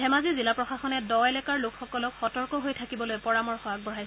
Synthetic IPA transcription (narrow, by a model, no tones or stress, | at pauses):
ɛmazizilapɹɔxaxɔnɛdɔɛlɛkaɹlokʰxɔkɔlɔkxɔtɔɹkɔɦojtʰakibɔlojpɔɹamɔɹxɔak̚bɔɹajsɛ